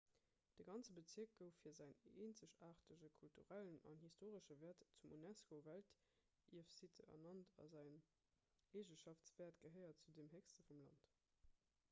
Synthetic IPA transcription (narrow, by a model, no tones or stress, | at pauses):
d̥əɡɑnt͡səbət͡siək̚ɡ̥əʊffiːɐzæɪneːnt͡səɕaːʁtəʑəkʰultuʁælənɑ̰nhistʰoːʁəʃəvɛːɐtt͡sumunæskovælt | iɐfsitʰəʔɐ̰nɑntʰɑ̰zæɪn | eːʒəʃɑft͡sv̥eːɐtɡ̥əɦəɪɐt̚t͡sudemɦekstəfumlɑ̰nt